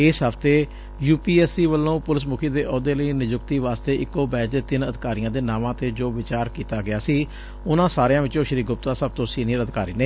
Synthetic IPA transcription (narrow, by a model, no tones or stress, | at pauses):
ɪsɦəpʰt̪eː | juːpiːɛːsiːʋəlːõːpʊlɪs̬mʊkʰiːd̪eːʔɔːd̪eːləiːnɪd͡ʒʊk̚t̪iːʋaːst̪eːʔɪkːoːbɛːd͡ʒd̪eːt̪ɪnəd̪ɪkaːɾijãːd̪eːnãːʋãːt̪eːd͡ʒoːʋɪt͡ʃaːɾkiːt̪aːɡɪaːsiː | ʊnãːsaːɾejãːʋɪt͡ʃõːʃɾiːɡʊp̚t̪aːsəb̚t̪õːsiːnɪjəɾəd̪ɪkaːɾiːneː